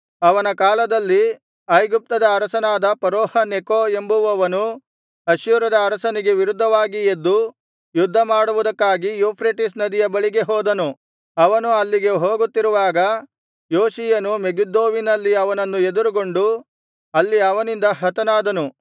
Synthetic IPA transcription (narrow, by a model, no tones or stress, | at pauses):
ɐʋɐnɐkaːlɐd̪ɐlːi | ɐjɡup̚t̪ɐd̪ɐːɾɐsɐnaːd̪ɐpɐɾoːhɐnekoːe̞mbuʋɐʋɐnu | ɐʃjuɾɐd̪ɐːɾɐsɐniɡe̞ʋiɾud̪ʱːɐʋaːɡied̪ːu | jud̪ʱːɐmaːɽuʋud̪ɐkːaːɡijopʰɾeʈisnɐd̪ijɐbɐɭiɡe̞ɦɔːd̪ɐnu | ɐʋɐnuɐlːiɡe̞ɦoːɡut̪ːiɾuʋaːɡɐ | joːʃijɐnumeɡud̪ːoːʋinɐlːiɐʋɐnɐnːue̞d̪uɾuɡo̞ɳɖu | ɐlːiɐʋɐnind̪ɐɦɐt̪ɐnaːd̪ɐnu